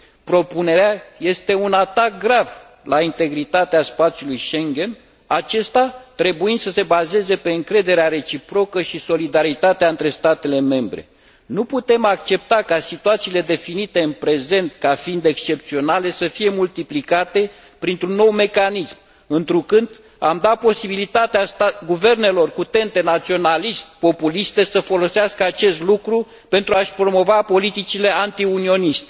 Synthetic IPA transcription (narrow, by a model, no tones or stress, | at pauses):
pɾo̞pune̞ɾeaje̞st̪e̞unat̪ak̚ɡɾav | laint̪e̞ɡɾit̪at̪easpat̪sjulujʃe̞ŋɡʲe̞n | at͡ʃe̞st̪at̪ɾe̞buind̪səse̞baze̞ze̞pe̞ɨŋkɾe̞d̪e̞ɾeaɾe̞t͡ʃipɾo̞kəʃiso̞lid̪aɾit̪at̪eaɨnt̪ɾe̞st̪at̪e̞le̞me̞mbɾe̞̰ | nuput̪e̞mak̚t͡ʃe̞p̚t̪akasit̪uat̪siːle̞d̪e̞finit̪e̞ɨnpɾe̞ze̞nt̪kafiind̪ekst͡ʃe̞pt̪sio̞nale̞səfije̞mult̪iplikat̪e̞ | pɾint̪ɾunːo̞wme̞kanism | ɨnt̪ɾukɨnd̪ | amd̪apo̞sibilit̪at̪east̪aɡuve̞rne̞lo̞rkut̪e̞nt̪e̞nat̪sio̞nalist̪̚po̞pulist̪e̞səfo̞lo̞seaskəat͡ʃe̞st̪lukɾu | pe̞nt̪ɾuaʃpɾo̞mo̞vapo̞lit̪it͡ʃile̞ant̪iunio̞nist̪e̥